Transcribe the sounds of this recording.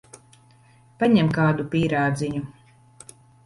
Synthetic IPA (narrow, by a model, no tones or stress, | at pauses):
paɲɛmkaːd̪upiːɾaːd̪ziɲu